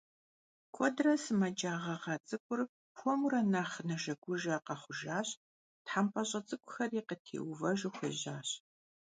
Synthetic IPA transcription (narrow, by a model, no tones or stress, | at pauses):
kʷʰɔdrɐsɨmɐd͡ʒaːʁɐʁɐt͡sʼɨkʷʼʊr | pʰʷɔmurɐnaːχnɨʒɐɡʷʊʒɐːqɐχʷʊʒaːɕ | tħampʼɐɕʼɐt͡sʼɨkʷʼʊxɐriːqətʰḛːwvɐʒɪxʷɐʑaːɕ